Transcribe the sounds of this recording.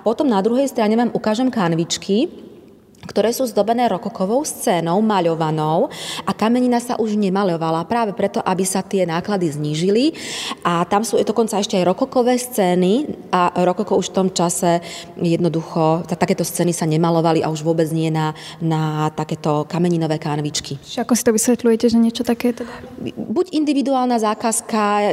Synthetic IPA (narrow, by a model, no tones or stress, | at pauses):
apɔt̪ɔmnad̪ɾuɦɛjst̪ɾaɲɛʋaːmʔukaːʒɛmkanʋit͡ʃkʰi | kt̪ɔɾɛːsuːzd̪ɔbɛnɛːɾɔkɔkɔʋɔʊst͡sɛːnɔʊmaʎɔʋanɔʊʔakamɛɲinasa̰ʔuʒɲɛmalɔʋalapɾaːʋɛpɾɛt̪ɔʔabisat̪ɪɛnaːklad̪izɲiːʒiliʔat̪amsuːd̪ɔkɔnt͡saɛʃcɛajɾɔkɔkɔʋɛːst͡sɛːniʔaɾɔkɔkɔuʃft̪ɔmt͡ʃasɛ | jɛd̪nɔd̪uxɔt̪at̪akɛːt̪ɔst͡sɛːnisaɲɛmalɔʋaliʔa̰uʒʋʊɔbɛd͡zɲɛjɛnanat̪akɛːt̪ɔkamɛɲinɔʋɛːkaːnʋit͡ʃkiʒɛakɔsit̪ɔʋisʋɛt̪lujɛcɛʒɛɲɪɛt͡ʃɔt̪akɛːt̪ɛd̪abuɟind̪iʋid̪uaːlnazaːkaska